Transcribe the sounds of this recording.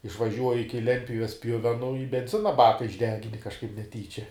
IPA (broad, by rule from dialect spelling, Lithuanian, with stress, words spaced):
ɪʃʋɐˈʒʲuɔjɪ ˈɪkʲɪ ˈlʲɛnʲtʲpʲjʊʋʲɛs ˈpʲjʊʋʲɛnʊ ɪ bʲɛnʲˈzʲɪnɐ ˈbɑːkɐ ɪʒʲˈdʲæːɡʲɪnʲɪ kɐʃˈkɐɪp nʲɛˈtʲiːt͡ʃʲɛ